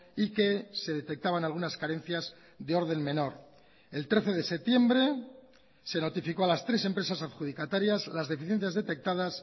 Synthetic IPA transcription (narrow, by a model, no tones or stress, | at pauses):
ike̞se̞ðe̞t̪e̞k̚t̪aβ̞analɣ̞unaskaɾe̞n̟θjaz | ðeo̞ɾð̞e̞ŋmẽ̞no̞ɾ | e̞lt̪ɾe̞θe̞ð̞e̞se̞t̪je̞mbɾe̞ | se̞no̞t̪ifiko̞alast̪ɾe̞sempɾe̞sasaðxuð̞ikat̪aɾjazlazðe̞fiθje̞n̟θjazðe̞t̪e̞k̚t̪að̞as